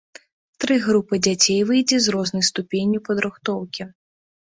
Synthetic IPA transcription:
t̪ɾɨɣɾupɨd͡zʲat͡sʲejvɨjd͡zʲɛzrɔznɐjst̪upʲenʲjupɐd̪ɾɨxt̪ɔwkʲi

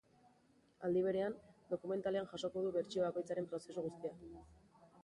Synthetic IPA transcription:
ald̪iβ̞e̞ɾe̞and̪o̞kume̞nt̪ale̞anʝaso̞koðuβe̞ɾt͡ʃio̞βako̞jt͡saɾe̞mpɾo̞se̞suɣ̞ust̪ia

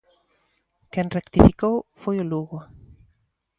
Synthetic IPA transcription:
kɛŋrekt̪ifikowfojʊluɣʊ

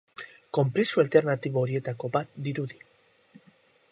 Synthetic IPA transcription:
ko̞mpɾesualt̪e̞ɾnat̪iβooɾie̞t̪ako̞bat̪d̪iɾuði

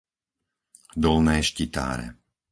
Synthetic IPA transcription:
d̪ɔlnɛːʃcit̪a̰ːɾɛ̰

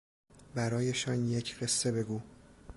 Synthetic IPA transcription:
bæɾɒːje̞ʃɒnjecʰɢ̥e̞sːe̞be̞ɡuː

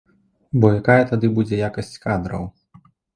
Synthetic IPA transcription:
bɔjakajɐt̪ad̪ɨbud͡zʲɛjakɐsʲt͡sʲkad̪ɾɐ̰w

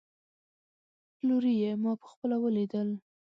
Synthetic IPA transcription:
luɾijemɑpə̥xpəlawəlid̪əl

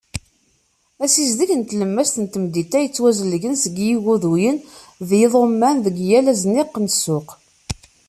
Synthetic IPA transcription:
æsizd̪əçənt̪ləmːæst̪ənt̪əmd̪it̪æjət͡sːwæzəlʝənsəɡjiɣuðujən | ðjeðˤomːænðəɡjælæznɪqːnəsːʊq

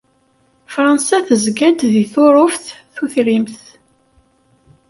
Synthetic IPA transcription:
fɾˤɑnsæθəzɡæd̪ðiθoɾˤofθθuθɾimθ

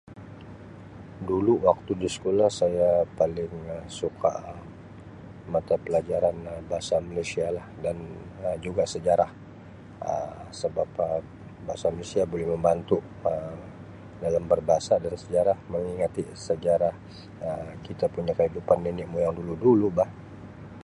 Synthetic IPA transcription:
duluwak̚t̪udisə̥kolahsajapalɪŋəsukʰa̰ | mat̪apəlad͡ʒaɾanəbaɦasamalesialahdanəd͡ʒuɡasəd͡ʒaɾah | ə̰səbapə | baasamalesiabolɛhməmbant̪u | ə | dalambərbaɦasadansəd͡ʒaɾahməŋiŋat̪isəd͡ʒaɾah | əkit̪apuɲakəhidupanːinɪʔmujaŋduludulubah

